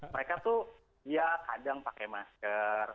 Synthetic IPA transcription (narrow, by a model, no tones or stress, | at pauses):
məɾekat̪u | ijakadaŋpakɛmaskər